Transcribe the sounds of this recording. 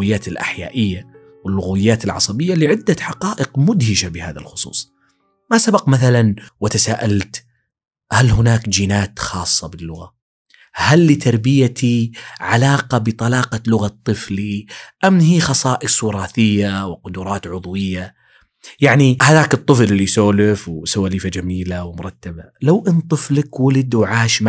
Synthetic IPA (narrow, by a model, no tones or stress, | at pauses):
ɪjːaːt̪ɪlʔa̰ħja̰ːʔɪjːa | wɪlːʊɣawɪjːaːt̪ɪlʕɑ̰sˤɑbɪjːalɪʕɪd̪ːaħɑqɑːʔɪqmʊd̪hɪʃabɪha̰ːða̰lxʊ̥sˤṵːsˤ | masabaqmaθalanwɪt̪asaːʔalt̪ | halɦʊnaːkd͡ʒiːnaːt̪xɑːsˤːɑbɪlːʊɣa | halːɪt̪ʰɑɾˤbɪjat̪ʰiʕalɑːqɑbɨt̪ˤɑlɑːqɑlʊɣat̪ˤːɨfliʔamnhiːxɑsˤɑːʔɪswɪɾˤɑːθɪjːawqʊd̪uːɾˤɑːt̪ʕʊðˤwɪjːa | jaʕnihaðaːkɨt̪ˤːɨflɪlːisoːlɪfwsawaliːfad͡ʒamiːlawmʊɾˤɑt̪ːabalawʔɪnt̪ˤɨflakwalɪd̪wʕaːʃm